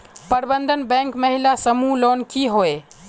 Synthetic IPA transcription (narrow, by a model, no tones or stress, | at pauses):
pəɾbənd̪ʱənbɛ̃ːŋkməɦilasəmuloːnkiɦoe